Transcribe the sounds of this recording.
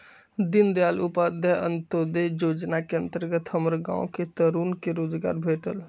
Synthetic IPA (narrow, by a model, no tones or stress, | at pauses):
d̪ind̪alupad̪ʱəə̰nt̪od̪ed͡ʒod͡ʒnakeənt̪əɾɡət̪ɦəməɾɡã̰oket̪əɾunkeɾod͡ʒɡa̰ɾbʱeʈəl